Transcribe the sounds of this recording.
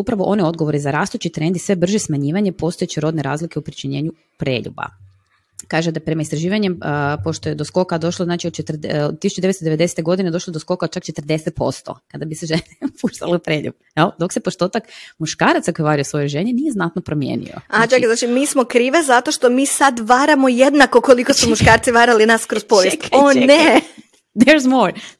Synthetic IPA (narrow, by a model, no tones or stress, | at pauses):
upɾaʋoʔo̞nio̞d̪ɡoʋo̞ɾizaɾaːst̪ut͡ʃit̪ɾend̪isʋe̞br̩ʒismaɲiːʋaɲe̞po̞st̪o̞jet͡ɕiɾo̞d̪neɾa̰ːzlikeupɾit͡ʃiɲe̞ːɲu | pɾeːʎṵba̰ | kaːʒed̪apɾe̞maist̪ɾaʒiːʋaɲempo̞ʃt̪ojed̪osko̞kad̪o̞ʃloznaːt͡ʃiod̪t͡ʃet̪rdod̪̚t̪isut͡ʃud̪eest̪od̪eʋed̪ese̥t̪eɡo̞d̪ine̞d̪o̞ʃlod̪osko̞kao̥t͡ʃakt͡ʃet̪rd̪e̞set̪̚po̞̰st̪o̞̰kad̪abiseʒenepuʃt̪aleupɾeʎṵb | jɛld̪o̞ksepoʃt̪o̞ːt̪akmuʃkaːɾat̪sakojeʋaɾiosʋo̞joʒeɲenijeznat̪nopɾomjḛːnḭo̰at͡ʃakiznaːt͡ʃimiːsmokɾiːʋezat̪o̞ʃt̪omiːsad̪ʋaːɾamojed̪nakokolikosumuʃkaːɾt̪siʋaːɾalinaskɾospoʋjest̪one | d̪ɛɾzmoɾ